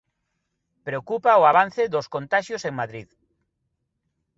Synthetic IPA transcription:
pɾeokupaoaβan̟θeðoskõnt̪aʃjoseŋmaðɾið

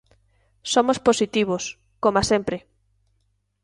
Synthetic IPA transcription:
somosposit̪iβ̞os | komasempɾɪ

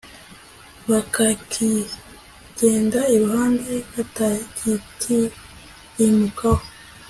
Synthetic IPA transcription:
βakakʰi | ɟ̥e̞ːndaiɾuhaːndekatakitʰi | imukaho

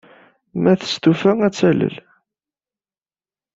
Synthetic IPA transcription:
mæθə̥st̪ufæŋæt͡sːælə̰l

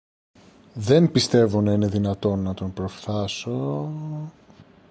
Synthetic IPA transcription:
ðe̞npist̪e̞vonɐine̞ðinɐt̪o̞nːɐt̪o̞npɾo̞fθɐso̞

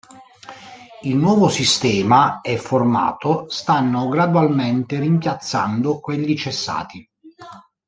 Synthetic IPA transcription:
ilnwɔːvosist̪ɛːmaɛfːorma̰ːt̪ost̪anːoɡɾad̪walment̪erimpjat̪sːand̪okweʎːit͡ʃesːa̰ːt̪i

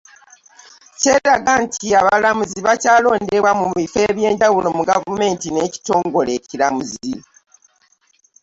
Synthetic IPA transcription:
ce̞ːɾaɡantʰiaβalamuziβacaːlo̞ːnde̞βwamuβife̞βje̞ːɲɟawulo̞muɡavume̞ːntine̞ːci̥to̞ːŋɡo̞le̞ːcilamuzi

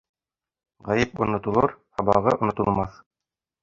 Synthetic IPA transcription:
ʁæjɘp̚ṵ̆nŏt̪ŭlˠɤɾhɑbɑ̰ʁɤʔŏnŏt̪ŭlˠmɑθ

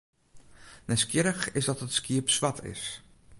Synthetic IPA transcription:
nɛskjɪɾəxɪsdɔtətskiəpsʋatʰɪ̰s

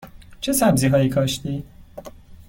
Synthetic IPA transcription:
t͡ʃʰesæbziːɦɒːiːkʰɒːʃt̪iː

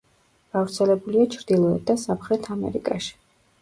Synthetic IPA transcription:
ɡ̥avɾt̪sʰɛlɛbuliat͡ʃʰɾd̪̥ilˠɔɛt̪̚d̪asamχɾɛt̪ʰamɛ̰ɾḭkʼaʃi̥

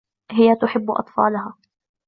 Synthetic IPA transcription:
ɦɪjat̪ʊħɪbːʊʔɑ̰t̪ˤfɑ̰ːlʊɦaː

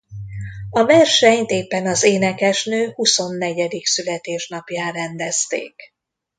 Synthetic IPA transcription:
ɒvɛrʃɛɲt̪eːpːɛnɒzeːnɛkɛʃnøːhuso̞nːɛɟɛd̪iksylɛt̪eːʃnɒpjaːɾɛnd̪ɛst̪ḛːk

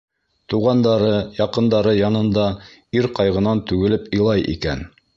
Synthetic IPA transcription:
t̪uʁɑnd̪ɑɾɤjɑqɤ̆nd̪ɑɾɤjɑnɤ̆nd̪ɑ | iɾqɑjʁɤ̆nɑnt̪ʉɡɘ̆lɘpɤ̆jlˠɑjʔḭkæ̰n

